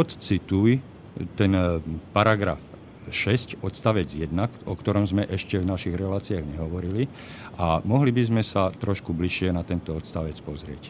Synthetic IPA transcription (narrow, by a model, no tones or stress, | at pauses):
ɔt̪t͡sit̪uj | t̪ɛnpaɾaɡɾa̰f | ʃɛscɔt̪st̪aʋɛd͡zjɛd̪nakɔkt̪ɔɾɔmzmɛʔɛʃcɛvnaʃiɣɾɛlaːt͡siaɣɲɛɦɔʋɔɾili | ʔamɔɦlibizmɛsat̪ɾɔʃkubliʃɪɛnat̪ɛnt̪ɔɔt̪st̪aʋɛt͡spɔzɾɪɛc